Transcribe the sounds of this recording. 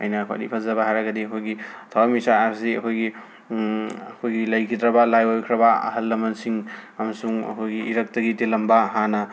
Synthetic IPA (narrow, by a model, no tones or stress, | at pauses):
ɐ̰jnɐkʰa̰ɾipʰɐzɐbaɦajɾɐɡɐdiɐkʰojɡitʰawamisaːɾsiɐkʰojɡi | ɐkʰojɡilɐjkʰidɾɐbɐlajojkʰɾɐbɐɐ̰ɦɐlːɐmɐnsiŋɐmɐsuŋɐ̰kʰojɡiʔːɾɐk̚tɐɡitilɐmbɐɦanɐ